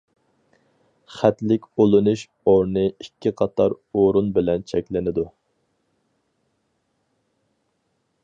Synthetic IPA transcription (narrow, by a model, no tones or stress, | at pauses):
χæt̪lɪkʲolˠɨnuʃ | oɾnɨikʲʰːiqʰɑt̪ʰɑɾ | oɾunbɪlɛnt͡ʃʰɛkʲlɪnɪd̪u